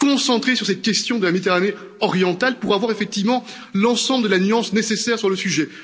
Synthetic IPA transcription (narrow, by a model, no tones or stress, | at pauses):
kɔ̃sɑ̃t̪χesyʁsɛt̪̚kʲɛst̪jɔ̃d̪əlamed̪it̪eʁane | ɔʁjɑ̃t̪alpuʁavwaʁefɛk̚t̪ivmɑ̃ | lɑ̃sɑ̃bləd̪əlanyɑ̃snesesɛʁsyʁləsyʒɛ